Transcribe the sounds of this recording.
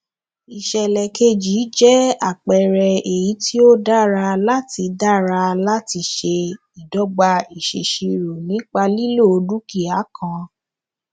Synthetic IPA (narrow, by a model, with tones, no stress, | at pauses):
i˨ʃɛ˨lɛ˨ke˧d͡ʒi˨˦d͡ʒɛ˦a˦˨k͡pɛ˨ɾɛ˧e˨ji˨˦ti˦o˦da˦ɾa˧la˦ti˧da˦˨ɾa˧la˦ti˧˦ʃe˧ | i˨dɔ˨˦ɡ͡ba˧i˨ʃḛ˨ʃi˧ɾo˨nĩ˨˦k͡pa˧li˦lo˦˨o˧du˦ki˦˨a˨˦kã˧